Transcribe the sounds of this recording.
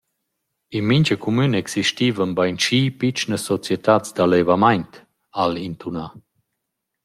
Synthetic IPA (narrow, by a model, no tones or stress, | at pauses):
inmiɲt͡ɕəkʰumynəɛksiʃtiːvənbajnt͡ʃiːpit͡ʃnəsɔt͡sjet̪at͡sd̪alevamajnt̪ | alint̪una